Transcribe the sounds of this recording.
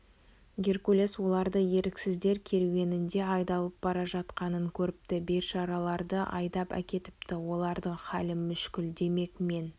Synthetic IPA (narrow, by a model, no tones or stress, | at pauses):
ɡʲerkulʲeswo̞lˠɑɾd̪əje̞ɾɪksɪzd̪e̞ɾkʲʰe̞ɾwʲe̞nɪnd̪e̞ɑjd̪ɑlˠəp̚bɑɾɑʒɑt̪qɑnəŋkʲʰɵɾɪp̚t̪ɪbe̞ɾʃɑɾɑlˠɑɾd̪əʔɑ̰jd̪ɑpæ̰kʲe̞t̪ɪ̥pt̪ɪwo̞lˠɑɾd̪əɴχɑlɪmʏʃkʲɪld̪e̞me̞kme̞n